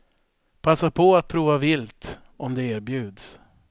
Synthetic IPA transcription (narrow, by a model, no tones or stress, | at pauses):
pʰasːapʰɔat̪̚pʰɾuːvavɪlt̪ | ɔmd̪ɛeːɾbjʉ̟ːd̪s